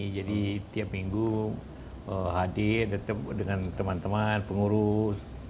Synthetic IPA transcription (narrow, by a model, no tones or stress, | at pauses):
d͡ʒadit̪iap̚miŋɡu | əɦadɪrdat̪əp̚dəŋant̪əmant̪əmanpəŋuɾʊs